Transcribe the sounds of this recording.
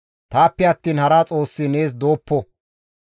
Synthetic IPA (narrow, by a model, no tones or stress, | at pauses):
t̪aːpːɛɐt̪ːiːnhɐɾɐt͡sʼo̞ːsːɪne̞ːs̬d̪o̞ːpːɔ